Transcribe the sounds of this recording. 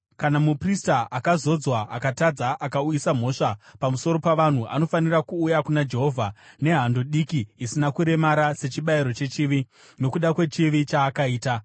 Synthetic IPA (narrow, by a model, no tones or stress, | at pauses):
kanamupristaʔakazo̞d͡zwaakatad͡zaʔakaujisam̤o̞ʂapamuso̞ɾo̞paʋan̤uʔa̰no̞fanirakuːjakunad͡ʒe̞ɦo̞vʱane̞ɦando̞ɗikiːsinakuɾe̞maɾase̞t͡ʃiɓaiɾo̞t͡ʃe̞t͡ʃiʋi | no̞kuɗakwe̞t͡ʃiʋit͡ʃaːkaiːta